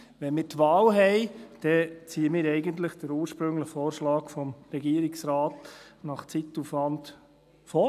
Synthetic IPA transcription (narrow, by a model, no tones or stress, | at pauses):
ʋɛnmɪːɾtʋɑːlɦɛɪd̥ɛt͡siːəmɪːɾɛɪɡənt̪̬ləχd̥əɾuːɾʃpɾɵŋləχfoːɾʃlɑːkfɔmɾɛɡiːəɾɪksɾɑːtnɑχt͡sitːufʋɑnt | fɔː